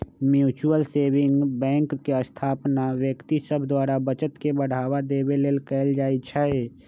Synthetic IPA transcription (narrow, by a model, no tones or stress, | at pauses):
mjuːt͡ʃuəlseːbɪ̃ŋɡbɛ̃ːŋkːeəst̪ʰaːpnaʋjəkt̪isəbʱd̪waːɾabət͡ʃət̪kebəɽ̤aːwad̪eːbeleːlkɛːld͡ʒaːit͡ʃʰaɦe